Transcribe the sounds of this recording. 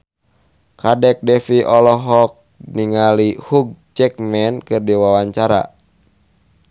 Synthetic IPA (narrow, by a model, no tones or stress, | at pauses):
kadɛk̚dɛfiʔɔlɔɦɔk̚ | niŋalihuɡ̚t͡ʃɛk̚mɛnkɨrdiwawaɲt͡ʃaɾa̰